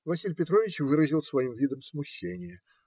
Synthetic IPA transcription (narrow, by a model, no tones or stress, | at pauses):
vasʲilʲpʲɪt̪ɾovʲɪt͡ɕvɨɾəzʲilˠsvajimvʲid̪əmsmuɕːenʲɪjə